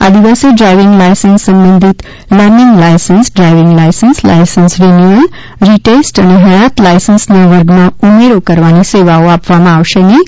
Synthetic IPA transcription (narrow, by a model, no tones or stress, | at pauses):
a̰d̪ibaseɖɾajʋiŋɡlajsənsːɐmbənd̪ʱit̪ | ləmiŋɡlajsənsɖɾajʋiŋɡlajsənsla̰jsənsɾeniən | ɾiʈesʈəneɦejat̪lajsənsneʋəɾɡmaumeɾokəɾʋaniseʋaoapʋamãːwʃəjni